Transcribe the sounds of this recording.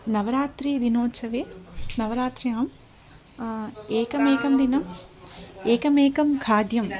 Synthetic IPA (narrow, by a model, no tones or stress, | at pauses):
nɐʋɐɾaːt̪ɾid̪inoːtsɐʋeːnɐʋɐɾaːt̪ɾiaːm | eːkɐmeːkɐmd̪inɐm | eːkɐmeːkɐmkʰaːd̪jɐm